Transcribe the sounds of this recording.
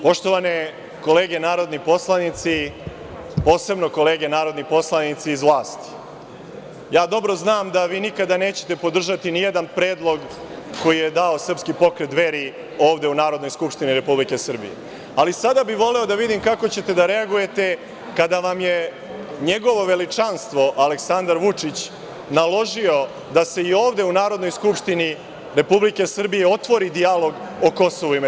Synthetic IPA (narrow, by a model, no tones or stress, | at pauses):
po̞ʃt̪o̞ʋane | ko̞le̞ːɡe̞naːɾo̞d̪nipo̞slˠanit̪si | po̞ːse̞bno̞ko̞le̞ːɡe̞naːɾo̞d̪nipo̞slˠanit̪siːzʋlˠaːst̪i̥ | jaːd̪o̞bɾo̞znaːmd̪aʋiːnikad̪ane̞ːt͡ɕe̞̥t̪e̞po̞d̪r̩ʒat̪inijed̪anpɾe̞ːd̪lˠo̞ɡ | ko̞jije̞d̪ao̞sr̩pskipo̞kɾe̞t̪ʋe̞ɾi | o̞ːʋd̪e̞unaːɾod̪no̞jskupʂt̪iniɾe̞publike̞sr̩bḭjḛ | alisad̪abiʋo̞le̞o̞d̪aʋid̪imkakot͡ɕe̞t̪e̞d̪aɾe̞aɡuje̞t̪e̞ | kad̪aʋamje | ɲe̞ɡo̞ʋo̞ʋe̞lit͡ʂanst̪ʋo̞ʔale̞ksand̪aɾʋut͡ʂit͡ɕ | nalˠo̞ʒio̞ | d̪ase̞io̞ːʋd̪e̞unaːɾo̞d̪no̞jskupʂt̪ini | ɾe̞publike̞sr̩bijeo̞t̪ʋo̞ɾid̪ijalo̞ɡ | oko̞so̞ʋuim